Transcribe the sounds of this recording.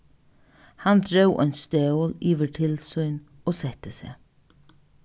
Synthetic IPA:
hand̪ɹœwʔɔ̰ʏnst̪œwliːʋəʈʰɪlsʊjn | oːsɛt̪əsḛː

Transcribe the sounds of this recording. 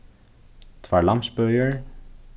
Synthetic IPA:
t̪vaːɹlɑmsbœjəɹ

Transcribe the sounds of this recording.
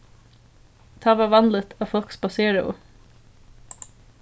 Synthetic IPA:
t̪ʰɑːʋɑːʋɑnd̪lət̪ʰɑːfɔlksbɑseːɾə̰ʊ̰

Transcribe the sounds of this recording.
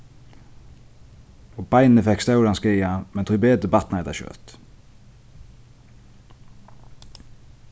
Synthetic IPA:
oːbæɪnnəfɛkst̪ɑʉɾɑnskeːɑmɛnt̪ʰɾʏbeːd̪əbɑt̪n̩ɛt̪ɑ̰ʃø̰ːt̪

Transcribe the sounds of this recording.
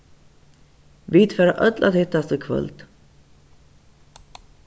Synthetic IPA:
viːt̪fɛːɾa̰ʔœt̪lʔa̰t̪hɪt̪ːast̪əkʰvœ̰lt̪

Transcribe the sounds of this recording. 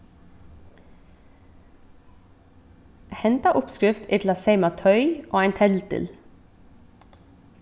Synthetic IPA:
hɛnt̪aʔʊpskɾɪft̪ɪt̪laseɪmat̪ʰœʏoːæɪnt̪ʰɛlt̪ɪ̰l

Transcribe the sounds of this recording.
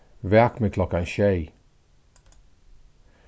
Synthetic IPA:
vɛkmekʰlɔkːanʃɛɪ

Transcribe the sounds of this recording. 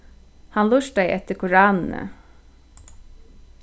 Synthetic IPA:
hɑnlʉʃ̚d̪æɪʔɛt̪əkʰʊɹɑːnn̩ə̰

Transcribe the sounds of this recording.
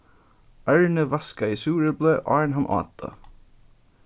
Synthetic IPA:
ʔæɹnəʋɑskɑiːsuːɹəbleːʔɑ̰ːɹɳɦɑnʔɑ̰ːt̪ɑ̰

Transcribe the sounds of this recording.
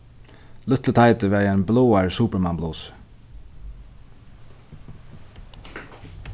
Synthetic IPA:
lʏt̪lət̪ʰaɪjt̪ɪʋɛːɾaɪnblɔːaɹsuːpəɾmambluːs

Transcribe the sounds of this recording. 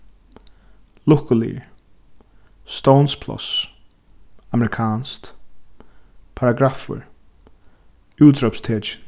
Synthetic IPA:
lʊhkʊlḭ | st̪ownspʰlɔ̰s | amɛɾɪkʰaːnst̪ | pʰaɾaɡɾafə̰ɹ | juːt̪ɾɔpst̪ʰeːt͡ʃɪ̥

